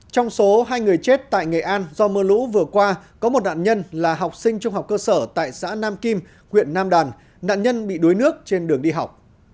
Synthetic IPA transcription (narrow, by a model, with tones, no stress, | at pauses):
t͡ɕɔ˧wŋ͡mso˨˦ɦaː˧jŋɨ˨˩əjt͡ɕe˦˥t̚t̪a̰ː˧˨jŋa˨˩jʔaː˧nzɔ˧məː˧lṵ˧˥vɨ˨˩əkwaː˧kɔ˨˦mo˨˩t̚na̰ː˧˨nɲə˧nlaː˨˩ɦa˨˩wk͡p̚sï˧ŋ̟t͡ɕʊ˧ŋ͡mha˨˩wk͡pkəː˧səː˧˩t̪a̰ː˧˨jsa̰ː˧˥naː˧mki˧m | kwḭ˧˨ənːaː˧mɗaː˨˩n | na̰ː˧˨nɲə˧nɓḭ˧˨ɗu˨˦jnɨ˦˥ək̚t͡ɕe˧nɗɨ˨˩əŋɗi˧ɦa˨˩wk͡p̚